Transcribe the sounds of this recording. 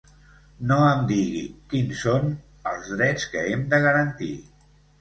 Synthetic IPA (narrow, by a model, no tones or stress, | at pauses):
noəmd̪iɣḭkinson | əlˠzðɾɛt͡skəemd̪əɣəɾənt̪i